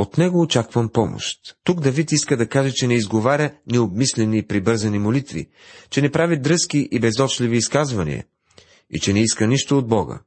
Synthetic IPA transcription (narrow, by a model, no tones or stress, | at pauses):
ot̪nɛɡoːt͡ʃakvəmpɔmo̰ʃt̪ːuɡd̪ɐvit̪iskəd̪ɐkaʒɛt͡ʃɛnɛizɡovaɾʲənɛobmislɛnipɾibɤɾzɐnimolit̪vḭ | t͡ʃɛnɛpɾavid̪ɾɤsk̟iʔibɛzɔt͡ʃliviːskazvɐnḭɐ̰ | ḭt͡ʃɛnɛiskəniʃt̪ood̪̚bɔɡə̰